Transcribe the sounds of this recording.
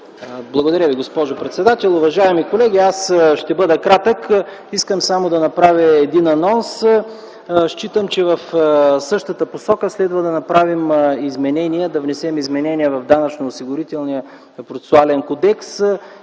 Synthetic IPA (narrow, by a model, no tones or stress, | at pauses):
blˠɐɡod̪ɐɾʲjəviɡospɔʒopɾɛt̪sɛd̪at̪ɛlˠʊvɐʒaɛmikolɛɡʲiasʃt̪ɛbɤd̪ɐkɾat̪ək | iskəmsamod̪ɐnɐpɾavʲəɛd̪inɐnɔns | ʃt͡ʃit̪əmt͡ʃɛvɐfsɤʃt̪ət̪əposɔkəslɛd̪vəd̪ɐnɐpɾavimizmɛnɛniɛd̪ɐvnɛsɛmizmɛnɛniɛvɐvd̪anɐt͡ʃnoːsiɡʊɾit̪ɛlˠnijə | pɾot̪ɛ̥sʊalɛnkod̪ɛks